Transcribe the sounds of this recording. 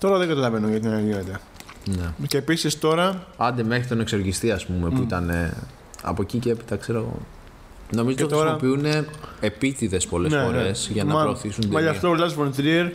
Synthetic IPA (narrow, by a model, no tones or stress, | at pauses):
t̪o̞ɾɐðeŋɡɐt̪ɐlɐve̞nuʝɐt̪̬iɐnɐʝine̞t̪e̞ | neceːpisist̪o̞ɾɐɐnd̪eme̞xɾit̪o̞nekso̞ɾʝist̪iɐspume̞puit̪ɐne̞ | ɐ̰po̞ciceepi̥t̪ɐkse̞ɾoɣo̞̰ | no̞mizoot̪ɾɐopiune̞ːpit̪iðe̞spo̞leffo̞ɾe̞sʝɐnɐɾo̞ːθisund̪mɐʝɐfft̪olɐzvont̪ɾieɾ